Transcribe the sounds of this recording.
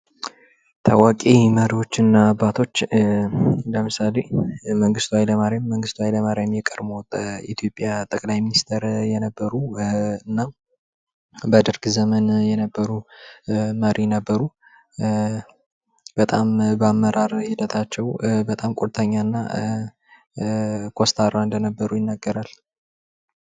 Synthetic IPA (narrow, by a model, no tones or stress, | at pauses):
t̪ʰa̰wakʼeməɾiwo̞t͡ʃːɨnːaːbːat̪ʰo̞t͡ʃː | ləmɨsale̞məŋɡɨst̪ʰwajləmaɾemːəŋɡɨst̪ʰwajləmaɾemjɛkʼəɾmoit̪ʰjo̞pʼːjat̪ʼəkʼlajminist̪ʰɾjɛnəbːəɾuɨnːa | bəd̪ɨɾɡzəmənjɛnəbːəɾu | məɾinəbːəɾu | b̥ət̪ʼambəamːəɾaɾhɪd̪ət̪ʰat͡ʃːɛwbət̪ʼamkʷʼoɾt̪ʰəɲːanːa̰ | kʰost̪ʰaɾaɨnd̪ənəbːəɾujɪnːaɡəɾal